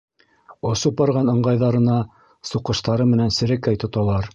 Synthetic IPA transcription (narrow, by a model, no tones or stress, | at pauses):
ŏʃɤp̚bɑɾʁɑnɤ̆ɴɢɑjðɑɾɤ̆nɑ | suqɤ̆ʃt̪ɑɾɤmɘ̆nænsɘ̆ɾɘ̆kːæjt̪ŏt̪ɑlˠɑɾ